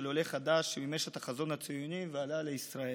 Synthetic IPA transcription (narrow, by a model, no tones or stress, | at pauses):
loleχad̪aʃmimeʃetaχazo̞nhat͡sijunivealaleisʁae